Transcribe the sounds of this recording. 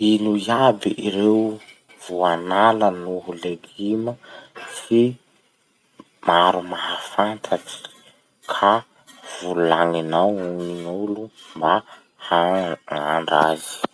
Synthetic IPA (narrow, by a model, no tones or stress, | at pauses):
inuiabiʔiɾew | vuanalənuɦuleɡiməsi | maɾumaɦafant̪ʰaʈ͡ʂi̥ | kʰa | vullaŋinawuniŋulumba | haŋaɳɖ͡ʐa̰zi̥